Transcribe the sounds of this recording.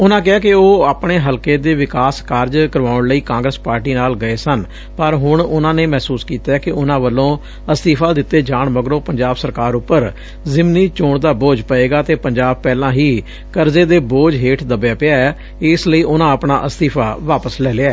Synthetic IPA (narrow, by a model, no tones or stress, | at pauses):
ʊnãːk̬ɪaːkɪoːaːpɳeːɦəlkeːd̪eːʋɪkaːskaːɾd͡ʒkəɾʋaːʊɳləiːkãːŋɡɾəspaːɾʈiːnaːlɡəeːsən | pəɾɦʊɳʊnãːneːmɛːsuːskiːt̪aːɛːkɪʊnãːʋəlːõː | əst̪iːpʰaːd̪ɪt̪ːeːd͡ʒaːɳməɡɾõːpəɲd͡ʒaːbsəɾkaːɾʊpːəɾ | zɪmniːt͡ʃoːɳd̪aːboːd͡ʒpəeːɡaːt̪eːpəɲd͡ʒaːb̚pɛːlãːɦiː | kəɾzeːd̪eːboːd͡ʒɦeːʈʰd̪əbːjaːpɪaːɛː | ɪsləiːʔʊnãːəpɳaːʔəst̪iːpʰaːʋaːpəslɛːleːaɛː